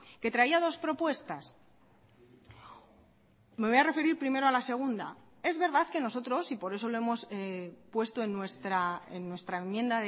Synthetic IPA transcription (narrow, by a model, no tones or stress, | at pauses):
ke̞t̪ɾaiað̞o̞spɾo̞pwe̞st̪as | me̞βo̞jare̞fe̞ɾiɾpɾime̞ɾo̞alase̞ɣ̞und̪a | e̞zβe̞ɾðaðke̞no̞so̞t̪ɾo̞sipo̞ɾe̞s̬o̞lo̞e̞mo̞spwe̞st̪o̞e̞nːwe̞st̪ɾaenːwe̞st̪ɾae̞mːjẽ̞nd̪aðe